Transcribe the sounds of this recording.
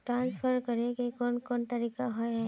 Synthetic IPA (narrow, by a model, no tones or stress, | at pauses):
ʈɾãːnspʰəɾkɐɾẽkekɔnkɔnt̪ɐɾiːkaɦɔeɦɛ̃